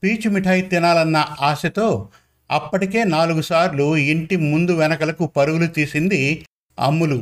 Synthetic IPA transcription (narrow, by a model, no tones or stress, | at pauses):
piːt͡ʃumiʈʰɐjt̪inaːlɐnːɐaːsɐt̪o̞ː | ɐpːɐʈike̞ːnaːluɡusaːɾluiɳʈimund̪uʋɛnɐkɐlɐkupɐɾuɡulut̪iːsind̪i | ɐ̰mːulu